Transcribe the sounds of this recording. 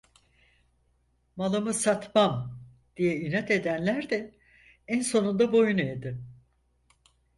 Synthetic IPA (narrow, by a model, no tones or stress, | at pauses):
malˠamɯsat̪mam | d̪̥ijɛinat̪ʰe̞d̪ænlʲæɾd̪ɛ | ænso̞nund̪abo̞juned̪ɪ